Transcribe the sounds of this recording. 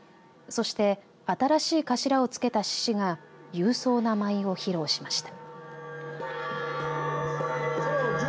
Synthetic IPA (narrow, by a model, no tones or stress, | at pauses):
so̞ɕi̥t̪e̞ | at̪aɾaɕiːkaɕiɾao̞t͡sɨ̥ke̞t̪aɕi̥ɕiɡa | jɯ̟ːso̞ːnamaio̞çiɾo̞ːɕimaɕi̥t̪ḁ